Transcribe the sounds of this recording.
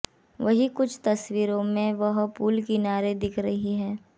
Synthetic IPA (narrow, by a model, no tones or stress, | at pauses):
ʋɐɦikʊt͡ʃʰt̪ɐsʋiːɾõmẽʋɐɦpuːlkinaːɾed̪ɪkʰɾɐɦiɦɛː